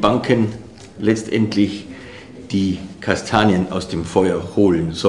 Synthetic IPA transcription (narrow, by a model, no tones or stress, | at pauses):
baŋkʰən | lɛt͡stʔɛ̰ntʰlɪç | d̥iːkʰastʰaːnjəna̰ʊsd̥eːmfɔʏɐhoːlənzɔ